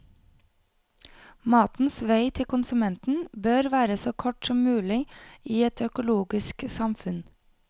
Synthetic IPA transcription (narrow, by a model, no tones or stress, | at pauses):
mɑːt̪n̩sʋæɪt̪ʰɪkʊnsʉmɛnt̪n̩bøːɾʋæːɾəsoːkʰɔʈsɔmmʉːlɪiːɛt̪ʰœkʊloːɡɪsksɑmfʉn